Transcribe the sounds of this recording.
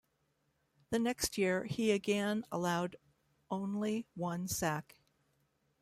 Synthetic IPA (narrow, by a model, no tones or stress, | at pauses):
ðɨnɛkst̚jɪɹiɨɡɛ̃nə̰laʊɾ | ʔõʊ̃nliwʌ̃nsæk